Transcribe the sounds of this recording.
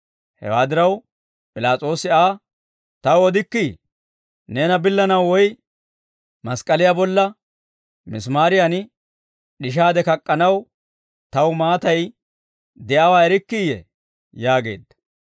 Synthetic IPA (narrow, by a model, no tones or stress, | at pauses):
hɛ̰waːd̪ɪɾɐw | pʼɪlaːt͡sʼo̞ːsɪaː | t̪ɐwɔd̪ɪkːi | neːnɐbɪlːɐnɐwːɔj | mɐskʼɐlɪjabɔlːɐ | mɪs̬maːɾɪjɐnɪ | ɗɪʃ̬aːd̪ɛkɐkʼːɐnɐw | t̪ɐwmaːt̪ɐj | d̪ɛʔɐwaːɛɾɪkːijɛ̰ | jaːɡe̞̰ːd̪ːɐ̥